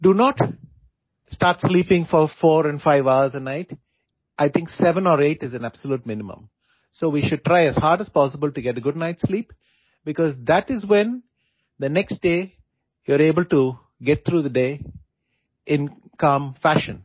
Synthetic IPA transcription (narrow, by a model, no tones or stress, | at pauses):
ɖunɔːʈ | sʈaːɾʈsliːpɪ̃ŋfɔɾfɔːɾɛ̃nfaɪʋaəɾzənaɪʈ | ʔaɪt̪ʰɪ̃ŋksɛʋə̃nɔːɾeːʈɪzæ̃næb̥səluːʈ̚mɪ̃nɪmə̰̃m | soːʋiːʃʊɖ̚ʈɾaɪæzhaːɾɖəz̥pɔːsɪbəlʈuɡɛʈəɡʊɖ̚ⁿnaɪʈsliːp | bɪkɔːzd̪æʈɪzwɛ̃n | d̪ənɛksʈ̚ɖeː | juəɾeːbəlʈu | ɡɛʈ̚t̪ʰɾuːðəɖeː | ʔɪ̃nkãːmfæʃə̃n